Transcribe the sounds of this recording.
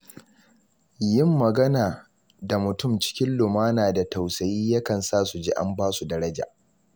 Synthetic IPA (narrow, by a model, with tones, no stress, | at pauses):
jɪ˦mːɐ˨ɡɐ˦naː˨ | da˨mʊ˨tʊ˦˨mt͡ʃɪ̥˦kʲɪ˦nlʊ˨maː˦naː˨da˨ta˨wsɐ˨jiː˦jɐ˦kɐ˨nsaː˦˨su˨d͡ʒḭː˦ʔa̰˦mbaː˦su˨dɐ˦ɾɐ˦d͡ʒa̰ː˨ʔ